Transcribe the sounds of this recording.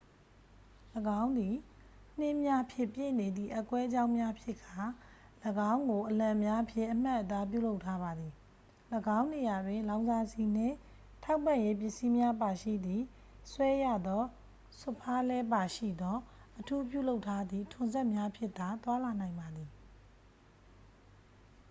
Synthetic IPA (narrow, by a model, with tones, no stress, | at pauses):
ləɡã˦ʊ̃nd̪i˨ | n̥ɪ̃˦ʔmja˦pʰjɪ̃˦˨pjḛ˦˨ne˨d̪ðḭ˦˨ʔa˦kwɛ˦ʔd͡ʑã˦ʊ̃mja˦pʰjɪ˦ʔkʰa˨ | ləɡã˦ʊ̃ŋɡo˨ʔəlã˨mja˦ʔəpʰjɪ̰̃˦˨ʔəm̥a˦ʔət̪a˦p̬jṵ˦˨lo˦ʊʔtʰːa˦ba˨d̪i˨ | ləɡã˦ʊ̃ne˨ja˨dwɪ̃˨lã˨ʊ̃nza˦si˨n̥ɪ̰̃˦˨ | tʰa˦ʊpːã˨je˦p̬jɪ˦˨ʔsi˦mja˦ʔpa˨ʃḭ˦˨d̪ði˨ | swɛ˦ja˦˨d̪ɔ˦ | sʊ˦˨pʰa˦lɛ˦pa˨ʃḭ˦˨d̪ɔ˦ʔətʰu˦p̬jṵ˦˨lo˦ʊtʰːa˦d̪ðḭ˦˨tʰʊ̃˨nzɛ˦ʔmja˦pʰjɪ˦ʔt̪a˨t̪wa˦la˨nã˨ɪ̃mba˨d̪ði˨